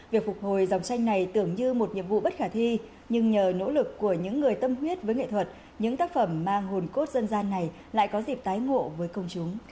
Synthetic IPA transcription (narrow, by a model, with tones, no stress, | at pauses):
vi˨˩ək̚fʊ˨˩k͡p̚ho˨˩jza˨˩wŋ͡mt͡ɕa˧jŋ̟na˨˩jt̪ɨ˧˩əŋɲɨ˧mo˨˩t̚ɲḭ˧˨əmvṵ˧˨ɓə˦˥t̚xaː˧˩t̪ʰi˧ | ɲɨ˧ŋɲəː˨˩no̰˧˥lɨ˨˩kːu˧˩əɲɨ̰˧˥ŋːɨ˨˩əjt̪ə˧mhwi˦˥ət̚vəː˨˦jŋḛ˧˨t̪ʰwə˨˩t̚ | ɲɨ̰˧˥ŋt̪aː˦˥k̚fə˧˩mːaː˧ŋɦo˨˩nko˦˥t̚zə˧nzaː˧nːa˨˩j | la̰ː˧˨jkɔ˨˦zi˨˩p̚t̪aː˨˦jŋo̰˧˨vəː˨˦jkə˧wŋ͡mt͡ɕʊ˨˦ŋ͡m